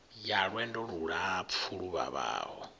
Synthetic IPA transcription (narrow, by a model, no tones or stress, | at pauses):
jaɺwɛndɔɺuɺap̪fʰuɺuβa̰βa̰ːɦɔ